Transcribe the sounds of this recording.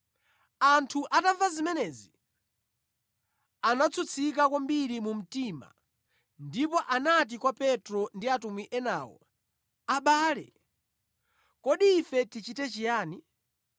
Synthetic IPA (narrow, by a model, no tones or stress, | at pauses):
antʰuʔatavazimɛnɛzi | anat͡sʰut͡sʰik̬akwambiɾimum̩tima̰ | ndipɔʔanat̬ikwapɛtɾɔndiatumwiʔɛnaːwɔ̰ | aɓaːlɛ̰ | kɔɗiːfɛtit͡ʃitɛt͡ʃijaːni